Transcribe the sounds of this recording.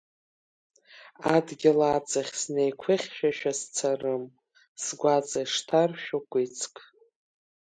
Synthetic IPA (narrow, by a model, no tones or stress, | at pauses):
adɡʲɪlaːt͡sʰʼaχʲsnejkʷʰɨχʲʃᶣaʃᶣast͡sʰarɨm | sɡʷat͡sʼajʂtʰarʃᶣakʷʼit͡sʰʼkʼʰ